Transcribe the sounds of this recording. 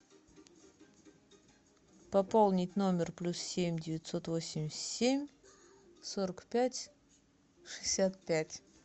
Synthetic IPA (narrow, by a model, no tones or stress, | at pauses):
pɐpolˠnʲɪtʲno̞mʲɪrplʲussʲemʲdʲɪvʲɪt̪so̞t̪vosʲɪmʲɪsʲsʲemʲ | soɾəkpʲætʲ | ʂɨ̥sʲat̪̚pʲætʲ